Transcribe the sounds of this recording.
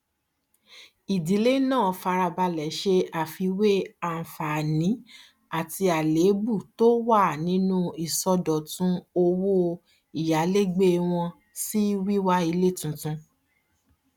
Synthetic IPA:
i˨di˨˦le˦nãː˦˨ɔ˨fa˧ɾa˧ba˧lɛ˨˦ʃe˧a˨fi˧we˦a˨fa˨nĩ˨˦ | a˨ti˧a˨le˨˦bu˦˨to˦wa˦˨nĩ˨˦nũ˦i˨sɔ˧dɔ˨tũ˦o˧wo˦ | i˨ja˨˦le˦ɡ͡be˦w̃ɔ̃˧ | si˦wi˦wa˧i˧le˦˨tũ˨tũ˧

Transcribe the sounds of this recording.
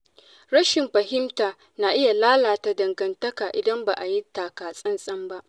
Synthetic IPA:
ɽɐ˦ʃɪ˨mɸɐ˨ɦɪ˦mtaː˨ | na˨ʔɪ˦ja˨laː˦laː˨ta˨dɐ˨ŋɡɐ˨ntɐ˦kaː˨ʔɪ˨dɐ˦mba˨ʔa˨ji˦taː˨kaː˨sʼɐ˦nsʼɐ˦mba˦ʔ

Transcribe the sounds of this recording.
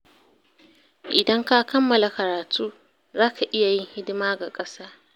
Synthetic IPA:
ʔɪ˨dɐ˦ŋka˦kɐ˦mːɐ˨la˨kɐ˨ɾaː˨tʰuː˦ | zaː˦ka˨ʔɪ˦ja˨jɪ˦ŋhɪ˦dɪ˦maː˦ɡa˨kʼɐ˦saː˦

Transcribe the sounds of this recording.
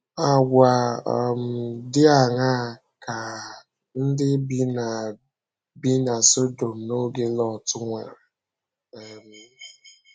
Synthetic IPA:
a˨ɡʷa˨m̩˨dɪ˦a˨ŋa˦˨ | ka˨ | n̩˦dɪ˦bi˦na˨ | bi˦na˨so˦do˨m̩˨no˦ɡe˦lɔ˨tʊ˦ŋʷɛ̰˨ɾe˨ | m̩˨

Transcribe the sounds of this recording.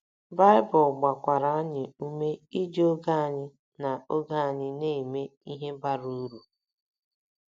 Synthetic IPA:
ba˦ɪ˦bɔ˨ɡ͡ba˨kʷa˨ɾa˨a˦ɲɪ˨u˦me˦i˦d͡ʒo˦ɡa˦a˨ɲɪ˦ | na˨o˦ɡa˦a˨ɲɪ˦ne˦˨me˦i˦ɦe˦ba˦ɾu˦ɾu˨

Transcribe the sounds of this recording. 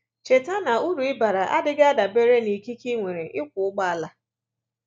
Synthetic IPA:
t͡ʃe˨ta˦na˨u˦ɾu˨ɪ˦ba˨ɾa˨ʔa̰˦dɪ˦ɡa˦a˦da˨be˦ɾe˦ni˨ki˦ki˦ŋʷe˨ɾe˨ʔɪ˦kʷʊ˨ʊ˦k͡pa˦a˨la˦

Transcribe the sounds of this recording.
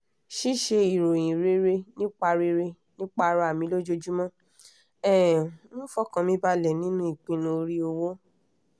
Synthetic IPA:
ʃi˦ʃe˧i˨ɾo˨j̃ĩ˨ɾe˦ɾe˧nĩ˦k͡pa˧ɾe˧ɾe˧ | nĩ˦k͡pa˧ɾa˧˦a˨mĩ˨˦lo˦d͡ʒo˧d͡ʒu˦mɔ̃˦ | ɛ˦˨˦nũ˦fɔ˦kã˧mĩ˧˦ba˧lɛ˨nĩ˦nũ˦i˦˨k͡pĩ˧nũ˧o˧ɾi˦o˧wo˦

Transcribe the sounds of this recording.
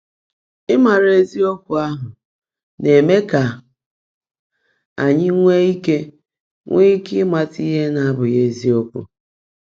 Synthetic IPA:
ɪ˦ma˨ɾe˨zi˦o˦kʷʊ˨a˦ɦʊ˨ | ne˨me˦ka˨ | a̰˨ɲɪ˦ŋʷe˦i˦ke˦ | ŋʷe˦i˦kɪ˦ma˨ti˦ɦe˦na˨a˦bʊ˨je˨zi˦o˦kʷʊ̰˨

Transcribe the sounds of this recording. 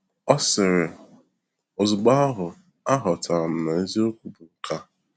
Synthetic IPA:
ɔ˦sɪ˨ɾɪ˨ | o˨zʊ˨ɡ͡ba˦ɔ˦ɦʊ˨ | a˦ɦɔ˨ta˨m̩˨na˨e˦zi˦o˦kʷu˨bu˨ŋ̩˨ka˦

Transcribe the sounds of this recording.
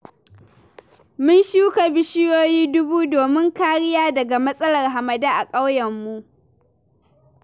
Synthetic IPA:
mʊ˦nʃuː˦ka˨bɪ˦ʃɪ˦joː˦jiː˦dʊ˦buː˦doː˨mɪ˦ŋkaː˦ɽɪ˦jaː˦dɐ˨ɡa˨mɐ˦sʼɐ˦lɐ˨rɦa˨mɐ˨daː˦ʔa˨kʼa˦wjɐ˨mːu˦ʔ

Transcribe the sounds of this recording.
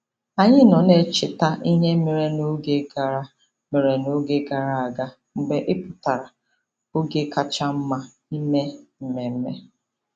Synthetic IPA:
a˨ɲɪ˦nɔ˨ne˦t͡ʃɪ˨ta˦ʔi˦ɲe˦me˨ɾe˦no˦ɡe˦ɡa˨ɾa˨ | me˨ɾe˨no˦ɡe˦ɡa˨ɾa˨a˨ɡa˦ | ŋ͡m̩˨ɡ͡be˨ʔɪ˦pʊ˨ta˨ɾa˨ | o˦ɡe˦ka˨t͡ʃa˦m̩˦ma˦ | i˦me˦m̩˨me˨m̩˦me˦

